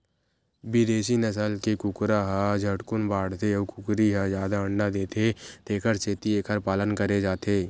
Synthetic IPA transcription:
bɪd̪eːʃ̬inəsəlkekʊkɾaɦad͡ʒʱəʈkʊnbaːɽseəkʊkɾiɦazjaːd̪aə̃ɳɖad̪eːt̪ʰet̪eːkʰəɾt͡ʃeːt̪ieːkʰəɾpaːlənkəɾed͡ʒaːt̪ʰeː

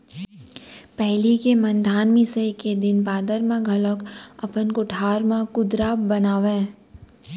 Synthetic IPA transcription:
pɛɦlikemɐ̃nd̪ʱaːnmĩseked̪ɪnbaːd̪əɾmãɡʱɐləkɐpənkʊʈʰaːɾmãkʊd̪ɾaːbɐnaːʋẽː

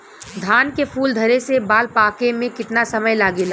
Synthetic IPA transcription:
d̪ʱaːnkepʰuːld̪ʱɐɾesebaːlpaːkemẽkɪʈ̪nasɐməjlaːɡel

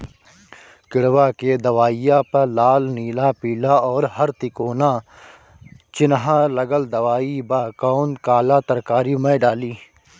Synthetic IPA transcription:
kɪɽʋaked̪ɐʋaːijapɐlaːlniːlapiːlaɔːɾɦɐɾt̪ɪkoːna | t͡ʃɪnɦalɐɡəld̪ɐʋaːibakɔːnkaːlat̪ɐɾkaːɾimẽːɖaːliː

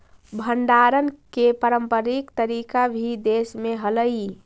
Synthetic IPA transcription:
bʱəɳɖaɾənkepəɾəmpəɾikt̪əɾikabʱid̪esmeɦələi

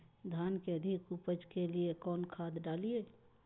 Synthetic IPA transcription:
d̪ʱaːnkeəd̪ʱɪkupəd͡ʒkeliekɔːnkʰaːd̪ɖaːlie

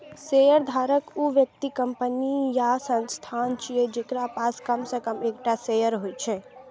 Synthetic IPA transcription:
sejəɾd̪ʱaːɾəkuʋjək̚t̪ikəmpənijasə̃nst̪ʰaːnt͡ʃied͡ʒekɾapaːskəmsəkəmekʈasejəɾɦojt͡ʃʰɛ

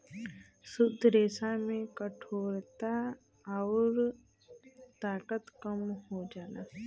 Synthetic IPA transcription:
sʊd̪ɾeːsamẽkəʈʰoːɾt̪a | aʊɾ | t̪aːkət̪kəmhod͡ʒaːnaː

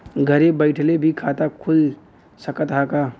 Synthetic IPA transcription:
ɡʱəɾebəɪʈʰlebʱikʰat̪akʰul | səkət̪ɦaka

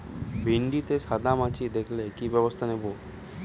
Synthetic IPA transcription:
bʱiɳɖit̪esad̪ʱamãt͡ʃid̪ekʰlekibjəʋəst̪ʰanebo

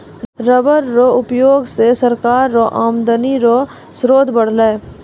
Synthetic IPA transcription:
ɾəbəɾːoʊpjoːɡsesəɾkaːɾːoʔaːmd̪əniɾo | sɾoːd̪ʱbəɽ̤leː

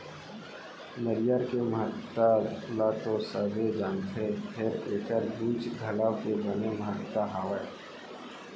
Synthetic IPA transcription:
nəɾɪjəɾkeməɦət̪ːəlat̪osəbʱed͡ʒãːŋɡt̪ʰepʰeɾeːkəɾbuːt͡ʃɡʱəlawkebəneməɦət̪ːaɦaːwə

